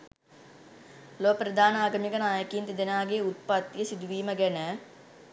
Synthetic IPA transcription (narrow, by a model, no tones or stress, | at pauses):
lopɾəd̪aːnaːɡɐmikənaːjəkiːnt̪id̪enaːɡeut̪̚pat̪ːjəsid̪uʋiːməɡɛnə